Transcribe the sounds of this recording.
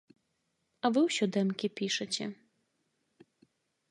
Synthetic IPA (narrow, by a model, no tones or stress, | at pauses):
avɨwɕɔd̪ɛmkʲipʲiʂɛt͡ɕʲɛ